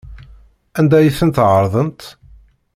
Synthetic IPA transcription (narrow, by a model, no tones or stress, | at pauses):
ænd̪æjiθənt̪ʕəɾˤðˤənt̪